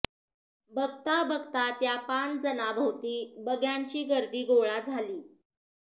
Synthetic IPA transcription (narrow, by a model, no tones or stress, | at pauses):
bəɡt̪abəɡt̪at̪japand͡zənabʱəwt̪iːbəɡjaɲt͡ɕiːɡəɾd̪iːɡoɭad͡zʱaliː